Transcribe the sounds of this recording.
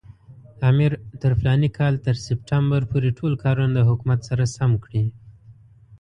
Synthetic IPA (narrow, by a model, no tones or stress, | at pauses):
ɑmɪɾt̪əɾflɑnikʰɑlt̪əɾsɪpʈambaɾpʰoɾeʈʰolkʰɑɾund̪əɦʊkumat̪saɾasamkɽi